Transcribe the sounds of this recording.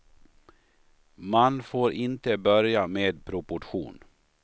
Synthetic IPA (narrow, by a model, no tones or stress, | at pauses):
manfoːɾʔɪnt̪əbœɾjameːd̪pʰɾʊpʊʈɧṵːn